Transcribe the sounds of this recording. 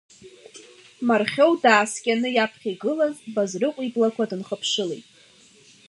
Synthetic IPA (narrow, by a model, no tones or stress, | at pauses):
marχʲo̞wdaːskʲʼanɨjapʰχʲiɡɨlazbazrɨqʷʼiblakʷadɨnχəpʰʂɨlejtʼ